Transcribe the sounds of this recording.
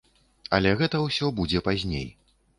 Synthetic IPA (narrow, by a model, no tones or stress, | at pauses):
ɐ̰lʲɛɣɛt̪ɐwsʲɔbud͡zʲɛpazʲnʲḛj